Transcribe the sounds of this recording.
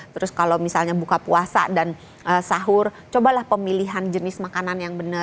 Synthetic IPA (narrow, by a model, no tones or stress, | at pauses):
t̪əɾʊskalawmisalɲabukapuasa̰dan | ʔəsaɦʊr | t͡ʃobalahpəmiliɦand͡ʒənɪsmakananjaŋbənə